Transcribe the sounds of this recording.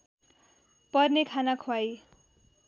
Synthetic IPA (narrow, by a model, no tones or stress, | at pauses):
pʌrnekʰanakʰwaj